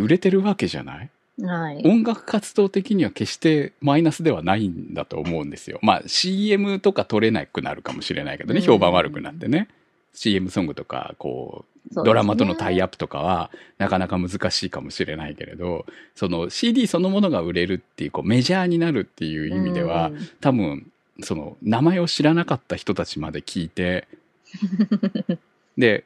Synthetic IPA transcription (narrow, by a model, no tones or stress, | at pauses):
ɯ̟ɾe̞t̪e̞ɾɯ̟βake̞ʑa̰na̰i | aõ̞ŋɡakɯ̟̥kat͡sɨ̥d̪o̞ːt̪e̞kʲiɲ̟iβake̞ɕi̥t̪e̞mainasɨd̪e̞βanaĩnd̪a̰t̪o̞̰ːmo̞ɯ̟̃nd̪e̞sɨjo̞̰ma̰ːɕiːe̞mɯ̟t̪o̞kat̪o̞ɾe̞na̰ikɯ̟na̰ɾɯ̟kamo̞ɕiɾe̞̰naike̞d̪oneço̞ːbãɰ̃βaɾɯ̟kɯ̟na̰t̪ːe̞ne̞ | ɕiːe̞mɯ̟sõ̞ŋɡɯ̟t̪oka̰ko̞̰ː | d̪o̞ɾamat̪o̞no̞t̪ʰaiapːɯ̥t̪o̞ka̰βanakanakamɯ̟zɨkaɕiːkamo̞ɕiɾe̞naike̞ɾe̞̰d̪o̞so̞no̞ɕiːd̪ʲiːso̞no̞mo̞no̞ɡaɯ̟ɾe̞ɾɯ̟t̪ːe̞jɯ̟ko̞̰ːme̞ʑaːɲ̟inaɾɯ̟t̪ːe̞jɯ̟ːimʲid̪e̞β̞at̪abɯ̟̃n | so̞no̞̰namae̞o̞ɕiɾanakat̪ːaçi̥t̪o̞t̪at͡ɕimad̪e̞kʲʰiːt̪e̞ | d̪e̞